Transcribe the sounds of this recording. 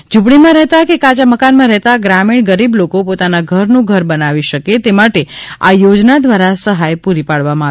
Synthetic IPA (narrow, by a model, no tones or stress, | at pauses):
d͡ʒupɽ̃imãɾɛɦt̪akekad͡ʒaməkanmãɾɛɦt̪aɡɾamiɳɡəɾiblokopot̪anaɡʱəɾnũɡʱəɾbənaʋiʃəket̪emaʈea̰jod͡ʒnad̪ʋaɾasəɦajpuɾipaɭʋamãa